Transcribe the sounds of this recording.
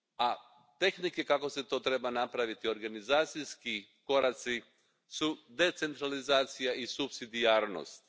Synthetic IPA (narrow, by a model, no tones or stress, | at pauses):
a | t̪e̞xnikekako̞se̞t̪o̞ːt̪ɾe̞banapɾaʋit̪io̞ɾɡanizaːt̪sijskiko̞ɾat̪si | sud̪e̞t̪se̞nt̪ɾalizaːt̪sijaisupsid̪iaːɾno̰st̪